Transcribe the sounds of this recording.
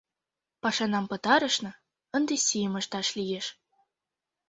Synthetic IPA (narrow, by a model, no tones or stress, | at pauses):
pɑʃɑnɑmpə̆t̪ɑɾə̆ʃnɤ̆ | ə̆nd̪esʲijəməʃt̪ɑʃlijeʃ